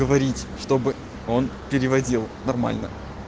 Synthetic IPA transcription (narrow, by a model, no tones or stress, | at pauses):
əvɐɾʲitʲʂt̪o̞bɨ | o̞npʲɪɾʲɪvɐdʲilˠnɐrma̰lʲnə̰